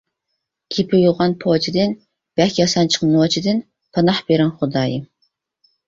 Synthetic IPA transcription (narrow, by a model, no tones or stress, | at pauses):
kʲʰipʰɪjuʁɑnpʰot͡ʃʰid̪ɨn | b̥ɛlkʲʰijɑsɑnt͡ʃʰə̥qnɨwɑt͡ʃʰid̪ɨn | pʰɑnɑħbeɾɛnχʊd̪ɑːji